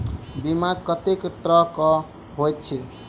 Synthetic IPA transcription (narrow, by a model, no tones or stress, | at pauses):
bimaɡ̚kət̪ekʈ̪ɾɔkɔ | ɦojt̪̚t͡ʃʰi